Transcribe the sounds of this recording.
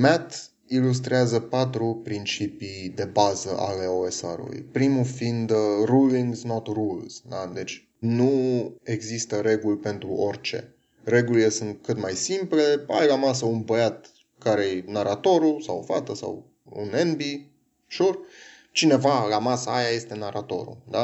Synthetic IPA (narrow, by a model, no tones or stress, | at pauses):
mɛt̪ | ilus̬t̪ɾeazəpat̪ɾupɾint͡ʃipid̪e̞bazə̰ʔa̰le̞oe̞sa̰ɾṵlṵjpɾimufind̪ruliŋɡznot̪rulz̥d̪ad̪e̞t͡ʃʲ | nueɡzist̪əɾe̞ɡulʲpe̞nt̪ɾuʔorʲt͡ʃe̞̰ | re̞ɡulile̞sɨnt̪̚kɨt̪majsimple̞a̰jlamas̬əunbəjat̪ | kaɾejnaɾat̪o̞ɾusawfat̪əsa̰w | ṵnenbi | ʃur | t͡ʃine̞valamasəajaje̞st̪e̞naɾat̪o̞̰ɾṵd̪a